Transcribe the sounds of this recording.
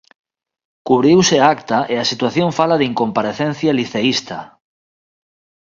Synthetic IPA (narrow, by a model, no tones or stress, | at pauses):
kuβɾiwsɪakt̪aʔeasit̪waθjoɱfalaðiŋkompaɾeθen̟θjaliθeist̪a